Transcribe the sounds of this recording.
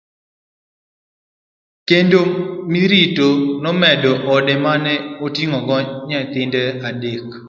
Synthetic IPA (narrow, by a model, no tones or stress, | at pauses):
kendomiɾitonɔmɛdɔʔɔdɛmanɛotiŋɔɡɔɲat̪ɪndɛadek